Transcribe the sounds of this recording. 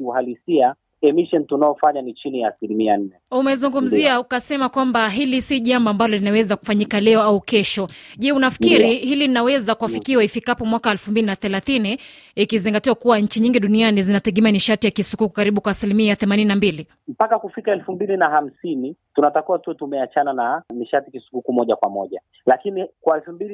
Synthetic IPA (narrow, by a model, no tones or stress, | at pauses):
iuhalisia | ɛmiʃɔntunaɔfaɲanit͡ʃinijaːsilimian̩nɛumɛzuŋɡum̩ziaukasɛmakwambaɦilisiʄambɔambalɔlinawɛzaku̥faɲikalɛɔaukɛʃɔʄɛunafi̥kiɾihiliinawɛzakuwafikiwaifikapɔmwakaɛlfumbilinaθɛlaθiniː | kiziŋɡatiwakuwaɲ̩t͡ʃiɲiŋɡiɗunianizinatɛɠɛmaniʃatijakisukuku̥kaɾiɓukwaːsilimiaθɛmanininambili | m̩pakakufikaɛlfumbilinaham̩sinitunatakiwatuɔtumɛat͡ʃanananiʃatikisu̥kukumɔʄakwamɔʄa | lakinikwaɛlfumbili